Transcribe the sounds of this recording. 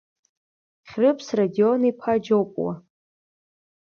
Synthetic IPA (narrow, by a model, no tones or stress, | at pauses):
χʲrɨpʰsradio̞nipʰad͡ʒowpʼwa̰